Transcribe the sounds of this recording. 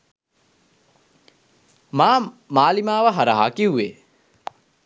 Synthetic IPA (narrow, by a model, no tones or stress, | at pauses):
maːmaːlimaːʋəɦaɾaɦa̰ːkiwːe